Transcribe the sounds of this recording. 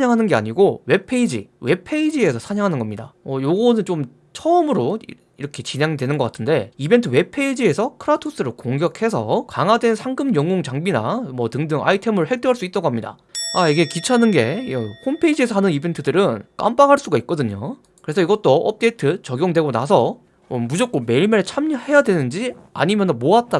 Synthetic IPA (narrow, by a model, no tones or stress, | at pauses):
aɲaŋɦanɯnɡe̞a̰ɲiɡowe̞pʰe̞id͡ʑḭwe̞pʰe̞id͡ʑie̞sʰʌsʰaɲaŋɦanɯnɡʌmɲidaʌjoɡʌnɯnt͡ɕom | t͡ɕʰʌɯmɯɾo | iɾʌkʰe̞t͡ɕine̞ŋdwe̞nɯnɡʌk͈atʰɯnde̞ibe̞ntʰɯwe̞pʰe̞id͡ʑie̞sʰʌkʰɯɾatʰus͈ɯɾɯɭkoŋɡjʌkʰe̞s̬ʰʌ̰kaŋɦadwe̞nsʰaŋɡɯmjʌŋoŋt͡ɕaŋbina̰mwʌtɯŋdɯŋa̰itʰe̞mɯɭhek̚t͈eɦaɭs͈uit͈̚ʌɡoɦamɲida̰ | aiɡe̞kit͡ɕʰanɯnɡe̞̰ʌkʰompʰeid͡ʑie̞s̬ʰʌhanɯnibe̞ntʰɯdɯɾɯnk͈a̰mp͈aŋɦaɭs͈uɡaik̚k͈ʌdɯɲo̰ | kɯɾe̞sʰʌiɡʌt͈oʌp̚t͈e̞tʰɯt͡ɕʌɡjoŋdwe̞ɡonas̬ʰʌ | mʌmud͡ʑʌk͈̚ome̞iɭmeɭt͡ɕʰamihe̞jadwe̞nɯnd͡ʑia̰ɲimjʌnmoat̚t͈a